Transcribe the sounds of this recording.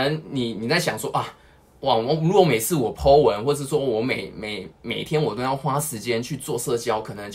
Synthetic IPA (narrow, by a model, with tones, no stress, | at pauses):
ə˧˦ŋni˨˩ni˨˩t͡sa˥˩ɪɕjɑ̰˨˩ŋswɔ˥ʔa˥˩ | wa˨˩˦u˧˥ko˧˥me˨˩ɪt͡sʰɹ̩˥˩wɔ˨˩pʰo˥ʊwə˨˦nxwɔ˥˧ʂ̬̩˥˩swɔ˥wɔ˧˥me˨˩ɪme˨˩ɪme˨˩ɪt̪ʰjɛ˥nwɔ˨˩t̪o˥˦jɑ˥˩ʊxwa˥ʂɻ̩˧˦t͡ɕjɛ˥˦nt͡ɕʰy˥˧t͡swɔ˥˧sɤ˥˧t͡ɕjɑ˥ʊkʰɤ˨˩nə˨˦ŋ